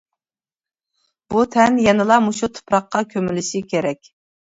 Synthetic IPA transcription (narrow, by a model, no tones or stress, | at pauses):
b̥ut̪ʰɛnjɛnɨlˠɑmuʃut̪ʰʊ̥pɾɑqːɑkʲʰømɪlɪʃɪkʲʰeɾɛkʲ